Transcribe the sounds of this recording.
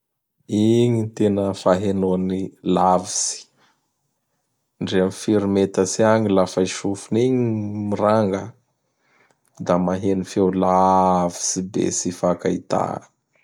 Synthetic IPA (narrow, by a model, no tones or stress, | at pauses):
iɲit̪enəfaɦenoanilavisi̥ | ɳɖ͡ʐeamifiɾimet̪əsiaŋilafaiʃufuniɲimiɾaŋɡə | d̪amaɦenifewlavi̥sibḛsifakait̪a̰